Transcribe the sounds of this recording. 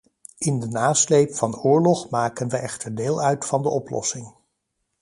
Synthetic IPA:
ɪndənaːslejpfɑnʊːɹlɔχmaːkənʋəʔɛχtəɹdeːlˠœɥtfɑndəʔɔplɔ̰sɪŋ

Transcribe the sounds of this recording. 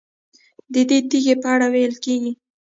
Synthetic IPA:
d̪əd̪ed̪iɣepəaɽawejəlkeɡi

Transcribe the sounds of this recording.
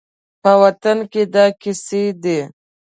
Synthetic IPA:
pəwɐt̪anked̪ɑkɪsed̪e

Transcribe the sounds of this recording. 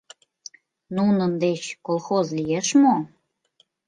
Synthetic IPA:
nunənd̪et͡ɕkolˠxozlijeʃmo

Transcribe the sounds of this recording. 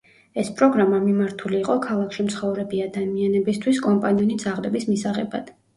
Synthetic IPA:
ɛspʼɾɔɡɾamamimaɾt̪ʰuliːqʼɔkʰalˠakʰʃimt̪sʰχɔvɾɛbiad̪amianɛbist̪ʰwiskʼɔmpʼaniɔnid̪z̥aʁd̪ɛbismisaʁɛ̰ba̰d̪̥

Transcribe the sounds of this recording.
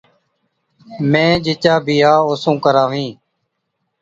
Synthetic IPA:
mẽːd͡ʒɪt͡ʃaːbiːjaːʊsũːkəɾãːʋĩː

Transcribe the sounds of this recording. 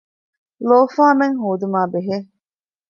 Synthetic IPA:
loːfaːmeŋɦoːd̪umaːbeɦe

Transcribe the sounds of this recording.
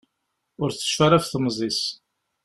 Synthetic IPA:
ʊɾθə̥ʃfæɾæfθmzˤis

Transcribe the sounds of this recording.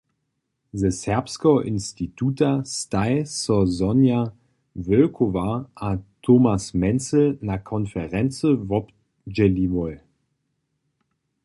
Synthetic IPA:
zɛshɛɐpskoʔɪnstitʰuːtʰastaɪsɔzɔnja | vœlkʰovaʔatʰoːmasmɛnt͡slnakʰɔnfɛʁɛnt͡səvɔp | d͡ʒɛlivɔl

